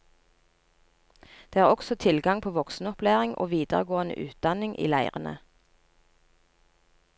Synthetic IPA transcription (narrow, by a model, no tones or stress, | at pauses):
d̪̥eːæːʁɔksɔt̪ʰɪlɡɑŋpʰoːʋɔksn̩ɔplæːʁɪŋʔo̰ːʋiːd̪əʁəɡoːənə̰ʔʉːt̪̚d̪ɑnɪŋʔḭːlæɪʁənə̰